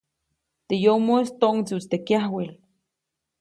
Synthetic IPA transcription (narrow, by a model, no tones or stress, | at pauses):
t̪ejomost̪oʔŋt͡sut͡st̪ekjahwil